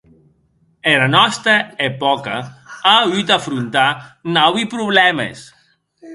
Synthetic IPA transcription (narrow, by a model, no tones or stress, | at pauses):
elanɔst̪aepɔkaayt̪afɾunt̪anawipɾuβlɛmḛs